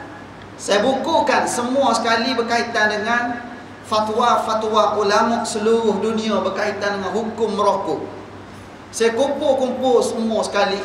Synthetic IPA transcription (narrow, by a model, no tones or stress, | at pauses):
sajabukukansəmuasə̥kalibərkait̪andəŋan | fat̪wafat̪wakulamɔʔsəluɾʊhdunĩãbərkait̪andəŋanɦukʊmːəɾɔhku | sajakumpʊlkumpʊlsəmuasə̥kali